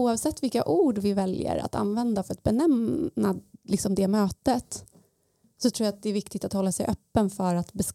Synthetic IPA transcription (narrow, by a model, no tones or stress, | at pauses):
uːɑvsɛt̪ːvɪlkːaʔuːɖvɪvɛljə̰ɾa̰t̪ʰa̰nvɛnd̪afœɾat̪̚bɛnɛmnalɪksɔmd̪ɛmøːt̪ət̪ | sɔt̪ʰɾuːjat̪̚d̪ɛːɾvɪkt̪ɪɡ̚t̪at̪hɔlːasɛ̰jʔœpːənfœɾat̪bɛs